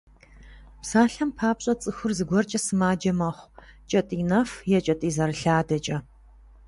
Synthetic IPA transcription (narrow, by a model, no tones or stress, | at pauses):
psaːɬɐmpʰaːpɕʼɐt͡sʼɨxʊrzɨɡʷɔrt͡ʃʼɐsɨmaːd͡ʒɐmɐχʷt͡ʃʼɐtʼiːnɐfjɛt͡ʃʼɐtʼiːzɐɾɨɬaːdɐt͡ʃʼɐ